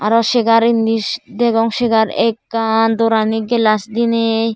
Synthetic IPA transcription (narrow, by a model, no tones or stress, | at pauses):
aɾɔʃeɡaɾind̪isd̪ɛɡɔŋʃeɡaɾɛkːand̪ɔɾaniɡɛlasd̪inej